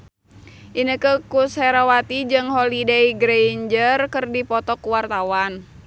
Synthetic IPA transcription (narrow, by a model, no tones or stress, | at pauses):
ʔinəkəkushɛɾawat̪id͡ʒɨŋɦɔlidɛiɡɾeiɲd͡ʒərkərdipɔt̪ɔkuwart̪awan